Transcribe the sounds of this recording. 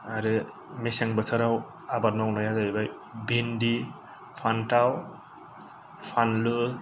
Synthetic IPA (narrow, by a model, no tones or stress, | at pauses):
aɾɯ | mesɛŋbətʰaɾaw | abaɾnanajazaibaj | bindi | pʰantaw | pʰanlɯ